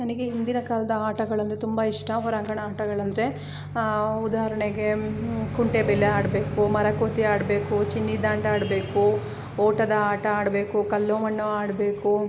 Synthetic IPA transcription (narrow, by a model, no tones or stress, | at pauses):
nɐnɐɡeind̪inɐkaːlɐd̪ɐaːʈɐɡɐɭɐnd̪ut̪umbɐiʂʈɐɦɔɾaːŋɡɐɳɐaːʈɐɡɐɭɐnd̪ɐɾe̞ | ud̪aːɐɾɐɳeɡe̞kuɳʈebɛlːeaːɽbe̞ːkumɐɾɐkoːt̪iaːɽbe̞ːkut͡ʃinːid̪aːɳɖaːɽbe̞ːku | ɔːʈɐd̪ɐaːʈɐaːɽɐbe̞ːkukɐlːoːmɐnːuaːɽbe̞ːku